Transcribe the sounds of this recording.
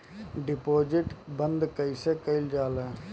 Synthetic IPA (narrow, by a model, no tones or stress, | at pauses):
ɖɪpoːd͡ʒɪʈbə̃nd̪kəisekəɪld͡ʒaːle